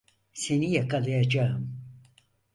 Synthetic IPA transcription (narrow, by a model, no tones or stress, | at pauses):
senijakalɯjad͡ʒaɯm